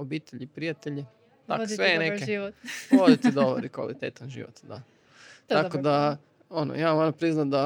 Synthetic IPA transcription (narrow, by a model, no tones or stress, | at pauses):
obiːt̪eʎipɾijat̪eʎi | t̪a̰ossʋenekeoʋod̪it̪id̪oʋo̰ɾikʋa̰lit̪ḛt̪anʒḭʋo̰t̪d̪a̰ | t̪akod̪a | ono̰jamonapɾiznat̪d̪a